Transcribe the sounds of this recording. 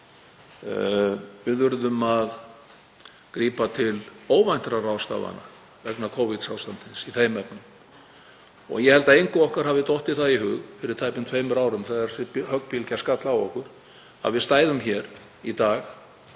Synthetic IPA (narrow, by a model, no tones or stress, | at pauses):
vɪðvʏɾðʏmað | kɾiːpat̪ʰɪloːwvajn̥t̪ɾaraːwst̪a̰ːva̰na̰ | vɛknakʰowvɪt̪sawst̪ant̪ɪnsiθejmɛpnʏm | ɔ̰ɣjɛhɛlt̪aejŋkʏɔhkaɾ̥ɦavɪt̪oht̪ɪθaðiɦʏɣfɪɾɪɾ̥t̪ʰaːjpɪnt̪ʰveːjmʏɾaːwɾʏmθaðaɾsɪphœkpʰilcaskat̪lawɔhkʏɾ̥ | a̰ðvɪðst̪aːjðʏmçɛɾ̥ | it̪aːx